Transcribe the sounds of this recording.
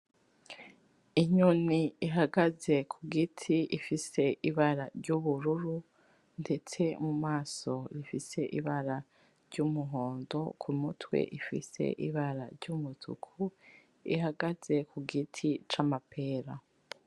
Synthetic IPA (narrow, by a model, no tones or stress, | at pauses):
iɲuniiɦaɡaze̞kʰuɡitʰiʔifise̞ʔiβaɾaɾɟuβuɾuɾu | nde̞t͡se̞mumaːso̞ɾifise̞ʔiβaɾa | ɾɟumuɦo̞ːndo̞̰kʰumutwḛʔifḭse̞̰ʔiβaɾaɾɟumutʰṵkʰu | ḭɦaɡaz̥e̞kuɡitʰit͡ʃamapʰe̞ːɾa